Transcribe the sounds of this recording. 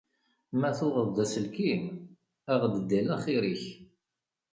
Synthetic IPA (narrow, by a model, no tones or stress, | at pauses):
mæθʊʁəðˤd̪æsəlkim | æʁd̪əd̪ːælæχiɾiç